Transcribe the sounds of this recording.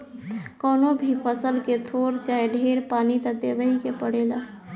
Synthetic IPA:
kəːnobʱipʰəsəlket̪ʰoɾt͡ʃaeɖʱeɾpanit̪əd̪ebəikepəɽela

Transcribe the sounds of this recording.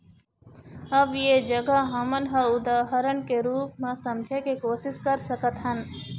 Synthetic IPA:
ɐbjed͡ʒəɡəɦɐmənɦəʊd̪aːɦəɾənkeɾuːpmẽsɐmd͡ʒʱekekoːsɪskəɾsəkət̪ɦən

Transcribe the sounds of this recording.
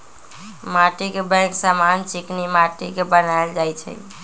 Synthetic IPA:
maʈikebə̃ksamant͡ʃiknimaʈikebənaeld͡ʒajt͡ʃʰɛ̰

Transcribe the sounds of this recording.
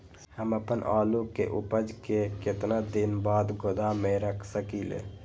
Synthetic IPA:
həməpənʔaːlukeʔupəd͡ʒkeket̪nad̪inbaːd̪ɡod̪ameɾəkʰsəkilḛ

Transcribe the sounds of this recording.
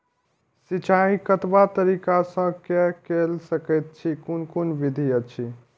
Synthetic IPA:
sit͡ʃaĩkət̪bat̪əɾikasə̃kɛkelsəkɛt̪̚t͡ʃʰikunkonbid̪ʱijət͡ʃʰi

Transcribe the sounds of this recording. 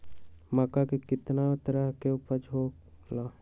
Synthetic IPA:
makakekɪt̪nat̪əɾəɦkeupəɾd͡ʒʱoː | laː

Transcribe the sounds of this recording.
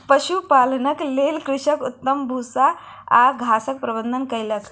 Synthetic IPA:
pəɕupalnəklelkɾuʂəkut̪ːəmbʱusa | a̰ɡʱasək̚pɾəbənd̪ʱənkəjlək

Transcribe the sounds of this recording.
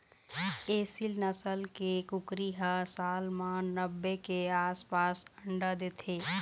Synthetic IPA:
eːsilnəsəlkekʊkɾiɦasaːlmãnəbːekeaːspaːsə̃ɳɖad̪eːt̪ʰeː

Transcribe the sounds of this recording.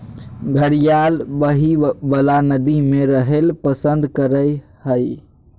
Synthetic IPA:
ɡʱəɽijalbəɦibəlanəd̪imeɾəɦelpəsənd̪kəɾəj | həj

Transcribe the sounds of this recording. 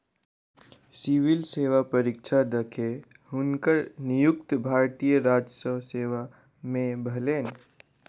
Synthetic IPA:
siwilseːwapəɾɪk̚t͡ʃʰad̪əkʰe | ɦʊnkəɾnijʊkt̪bʱaːɾt̪ijəɾaːd͡ʒəsəwseːʋa | mẽbʱəleːn

